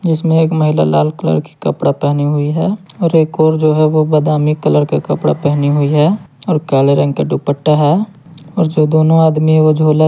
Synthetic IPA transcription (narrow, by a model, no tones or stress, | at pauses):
d͡ʒɪsmẽeːkməɦɪla̰la̰ːlkələ̰ɾki̥kə̰pɽapɛɦniɦʊiɦɛːɔːɾeːkɔːɾd͡ʒoːɦɛʋobəd̪aːmikələɾkakɐpɽa̰pɛɦniɦʊiɦɛːɔːɾkɛːleɾə̃ŋɡkaɖupəʈːaɦɛː | ɔːɾd͡ʒoːd̪oːnõaːd̪miɦɛod͡ʒʱoːla